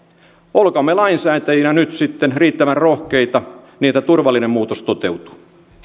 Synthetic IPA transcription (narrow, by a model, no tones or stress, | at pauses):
olkɑmːelɑinsæːt̪æjinænyt̪sit̪ːenriːt̪ːæʋænrohkejt̪ɑniːet̪ːæt̪urʋɑlːinemːmuːt̪ost̪ot̪e̞wt̪u̥